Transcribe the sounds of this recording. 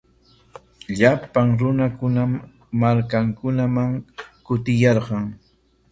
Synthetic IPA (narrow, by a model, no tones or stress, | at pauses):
ʎapaŋɾʊnakʊnam | maɾkaŋkʊnamaŋkʊt̪ɪjɑɾɢɑŋ